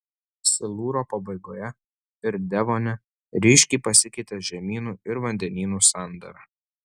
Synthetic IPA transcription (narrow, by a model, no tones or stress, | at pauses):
sʲɪlˠuːɾoːpɐbɐɪɡoːjɛ | ɪɾd̪ʲɛʋoːnʲɛ | ɾʲɪʃʲkʲɛɪpɐsʲɪkʲɛɪt̪ʲɛʒʲɛmʲiːnuːɪɾʋɐnʲd̪ʲɛnʲiːnuːsɑˑnd̪ɐ̰ɾɐ